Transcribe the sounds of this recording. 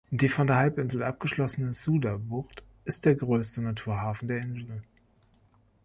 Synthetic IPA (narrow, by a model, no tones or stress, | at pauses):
nd̥iːfɔndeːɐɦalpʔɪnzl̩ʔap̚ɡ̥əʃlɔsənəzuːdabʊχt | ʔɪst̚d̥eːɐɡʁøːstənatʰuːɐɦaːfn̩deːɐɪnzl̩